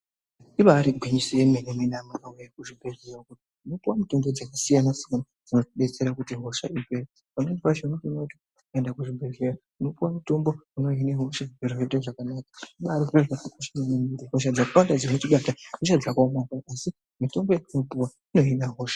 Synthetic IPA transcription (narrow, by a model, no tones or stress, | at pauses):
iʋaɾiɡʱwiɲiseemeneminamakaujakuʐibʱererokutiuno̞puwamuto̞mbod͡zakasijanasikana | d͡zino̞tiɓe̞t͡se̞ɾakutiɦo̞ʃaipeɾa | panenpaʃenokunoti | endakuʐibʱezera | uno̞puwamuto̞mbo̞uno̞ineɦoʃaeroeteʐakanakḁiɓaɾoeʐaikaʃinanemideɦoʃ̬ad͡zakawandad͡zino̞tiɓataɦoʃ̬ad͡zakamakaʔasi | mito̞mbo̞jainopuwa | ino̞inaɦo̞ːʃḁ